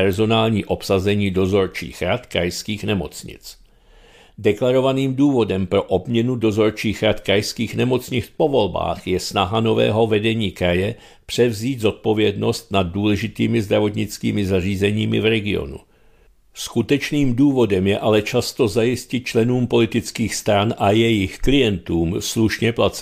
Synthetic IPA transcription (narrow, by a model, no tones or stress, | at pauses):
ɛɾzo̞naːlɲiːʔo̞psazɛɲiːdo̞zo̞ɾt͡ʃḭːxɾat̪kɾa̰jskiːxnɛmo̞t͡sɲɪ̰t͡s | dɛklaɾo̞vaniːmduːvo̞dɛmpɾo̞ʔobmɲɛnudo̞zo̞ɾt͡ʃiːxɾat̪kɾajskiːxnɛmo̞t͡sɲɪt͡spo̞vo̞lba̰ːxjɛsnaɦano̞vɛ̰ːɦo̞vɛdɛɲiːkɾajɛ | pr̝̥ɛvziːd̪zo̞t̪̚po̞vjɛdno̞st̪̚nad̚ːuːlɛʒɪt̪iːmɪzd̪ɾavo̞t̪ɲɪt͡skiːmɪzar̝iːzɛɲiːmɪ̰vɾɛɡɪo̞̰nṵ | skut̪ɛt͡ʃniːmduːvo̞dɛmjɛʔalɛt͡ʃast̪o̞zajɪscɪt̪̚t͡ʃlɛnuːmpo̞lɪt̪ɪt͡skiːxst̪ɾanʔajɛjɪxklɪjɛnt̪uːmsluʃɲɛplat͡s